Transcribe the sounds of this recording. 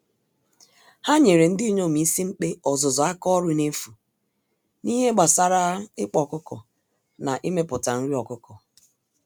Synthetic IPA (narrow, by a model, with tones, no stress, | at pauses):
ha˦ɲe˨ɾe˨n̩˦dɪ˦i˦ɲo˦˨mi˨˦si˦ŋ͡m̩˦k͡pe˦ɔ˨zʊ˨zɔ˨a˦kɔ˦ɾʊ˦ne˦fu˨ | ni˦ɦe˦ɡ͡ba˨sa˦ɾa˦ɪ˦k͡pɔ˨kʊ˦kɔ̰˨ | na˨ʔi˦me˦pʊ˨ta˨n̩˦ɾi˦ɔ˨kʊ˦kɔ˨